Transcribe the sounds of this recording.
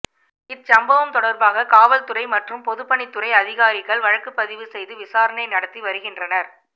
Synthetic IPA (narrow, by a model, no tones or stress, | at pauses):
ɪt͡ʃɐmbɐʋɐmt̪ɔɽɐɾbaːɣɐkaːʋɐlt̪ʊɾɐɪmɐʈrɯmpɔðɯpːɐɳɪt̪ːɯɾɐɪɐðɪɣaːɾɪɣɐɭʋɐɻɐkːɯpːɐðɪʋɯsɛjðɯʋɪsaːɾɐnɐɪnɐɽɐt̪ːiʋɐɾɯɣɪndrɐnɐɾ